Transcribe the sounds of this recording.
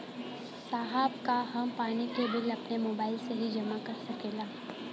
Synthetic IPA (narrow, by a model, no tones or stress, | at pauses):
saːɦaːbkaɦɐmpaːnikebɪlɐpnemoːbaːɪlseɦid͡ʒɐmakɐɾsɐkeːlaː